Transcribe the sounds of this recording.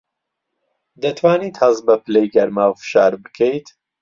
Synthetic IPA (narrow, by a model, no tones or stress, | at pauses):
d̪ɐt̪ʰwaːniːt̪hɐzbɐpɨlejɡɐɾmaːwfɨ̥ʃaːɾbɨkʰejt̪